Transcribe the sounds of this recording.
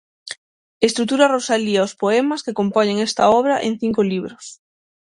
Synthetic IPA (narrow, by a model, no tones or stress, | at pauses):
est̪ɾut̪uɾɐrosaliaospoemɐskekompɔɲeŋest̪ɐɔβɾɐʔẽŋθiŋkoliβɾʊs